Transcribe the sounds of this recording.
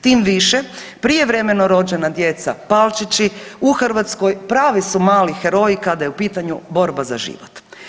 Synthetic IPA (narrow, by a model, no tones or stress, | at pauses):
t̪iːmʋiʃe | pɾije̞ʋɾe̞me̞noɾo̞d͡ʑe̞nad̪je̞t̪sa̰palˠt͡ʃit͡ɕiuxrʋat̪skojpɾaːʋisumaːlixeɾo̞jikad̪ajeupiːt̪aɲubo̞ɾbaza̰ʒḭːʋot̪